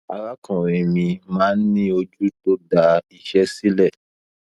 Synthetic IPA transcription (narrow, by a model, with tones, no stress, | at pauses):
a˧ɾa˦kɔ̃˨ɾ̃ĩ˨mĩ˧mãː˦n̩˦nĩ˦o˧d͡ʒu˦to˦da˧i˧ʃɛ˦si˦lɛ˦˨